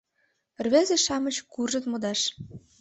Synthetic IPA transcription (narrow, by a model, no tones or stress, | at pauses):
rβezĕʃɑmɤ̆t͡ɕkurʒɤ̆t̪mod̪ɑʃ